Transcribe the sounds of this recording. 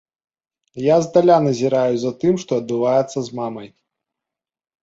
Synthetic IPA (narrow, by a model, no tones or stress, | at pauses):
jazd̪alʲanɐzʲiɾajuzɐt̪ɨmʂt̪ɔɐd̪̚bɨvajɛt̪sːɐzmamɐj